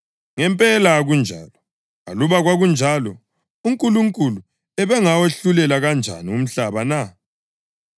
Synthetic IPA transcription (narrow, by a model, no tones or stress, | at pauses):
ŋɛmpʼɛlaɣund͡ʒʱa̰ːlɔ | ŋa̰luβaɣwaɣund͡ʒʱalɔ | uŋkʼuluŋkʼulu | ɛβɛŋaweɬulɛlaɣand͡ʒʱa̰nium̩ɬaβana